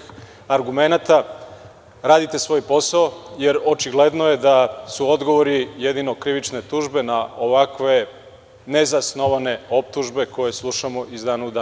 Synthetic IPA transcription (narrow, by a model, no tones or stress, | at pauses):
aɾɡume̞nat̪a | ɾaːd̪it̪e̞sʋo̞ːjpo̞saojeɾo̞t͡ʃiɡle̞d̪no̞je̞d̪asuo̞d̪ɡo̞ʋoɾijed̪ino̞kɾiʋit͡ʃne̞t̪uːʒbe̞naoʋakʋe̞ | ne̞zasno̞ʋane̞o̞p̚t̪uʒbe̞ko̞je̞slˠuʃamo̞ʔizd̪aːnaud̪a